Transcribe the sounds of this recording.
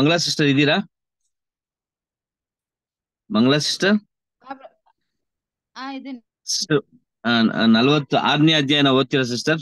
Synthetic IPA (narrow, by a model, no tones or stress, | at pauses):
mɐŋɡɐɭaːs̬iʂʈɾɐɾid̪iːɾa | mɐŋɡɐɭaːsi̥ʂʈɐ | sʈɐ̰ | nɐlɐʋɐt̪ːuʔa̰ːdnjaːd̪ʱjaːjɐnɐoːt̪ːiɾɐs̬isʈɐɾ